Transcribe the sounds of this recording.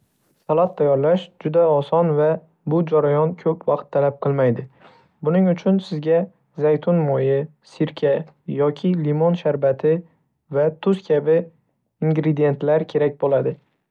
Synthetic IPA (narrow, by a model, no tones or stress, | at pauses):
sʰalˠat̪ʰːajːɒɾlaʃd͡ʒʊd̪aɒsɒnva | bʊd͡ʒaɾajɒnkʲʰɵpʰwɑqt̪ʰːalap̚qʰɨlˠmajd̪ɪ | bʊnɪŋʊt͡ʃʰʊnsɪzɡʲa | zajt̪ʰʊnmojɪ | sɪɾkʲʰa | jɒkʲʰɪlimonʃaɾbat̪ʰɪ | vat̪ʰʊskʲʰabɪ | iŋɡɾed̪ije̞nt̪laɾkʲʰe̞ɾak̚ʲbolad̪ɪ